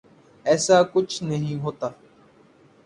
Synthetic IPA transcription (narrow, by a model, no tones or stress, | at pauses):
ɛːsakʊt͡ʃʰnəɦĩɦoːt̪aː